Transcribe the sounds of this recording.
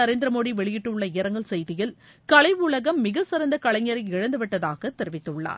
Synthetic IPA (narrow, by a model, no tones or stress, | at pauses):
ɐɾeːnd̪ɾɐmoːɽiʋɛɭɪjɪʈːɯɭːɐɪjɐɾɐŋɡɐɭsɛjðɪjɪl | kɐɭɐɪʋʊɭɐɣɐmːɪɣɐsɪɾɐnd̪ɐkɐɭɐɲːɐɾɐɪɪɻɐnd̪ɯʋɪʈːɐðaːɣɐt̪ːɛɾɪʋɪt̪ːɯɭːa̰ːɾ